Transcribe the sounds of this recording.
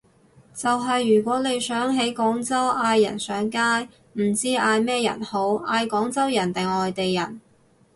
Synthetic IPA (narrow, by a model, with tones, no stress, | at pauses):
t͡sɐ˨wɦɐ˨jːyː˨˩kʷɔː˨˥ne˨˧jsœː˨˥ŋɦe˨˥jkɔː˨˥ŋt͡sɐ˥wʔaː˧jːɐ̰˨˩nsœː˨˥ŋkaː˥j | m̩˨˩t͡siː˥ʔaː˧jmɛː˥jɐ̰˨˩nho˨˥waː˧jkɔː˨˥ŋt͡sɐ˥wjɐ˨˩nt̪ɪ˨ŋɔː˨jt̪e˨jːɐ˨˩n